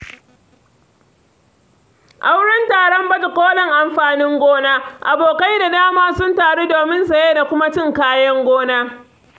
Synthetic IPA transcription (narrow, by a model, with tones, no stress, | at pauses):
ʔa˦wɽɐ˦ntaː˨ɽɔ˦mbɐ˦tu˨kʷoː˦lɐ˨ŋʔa˨mɸaː˨nɪ˦ŋɡʷoː˦naː˦ʔa˨boː˨ka˦jda˨daː˦maː˦sʊ˦ntaː˨ɽe˦doː˨mɪ˦nsa˨jeː˦da˨kʷʊ˦ma˦t͡ʃɪ˦˨ŋkaː˦jɐ˦ŋɡʷoː˦naː˦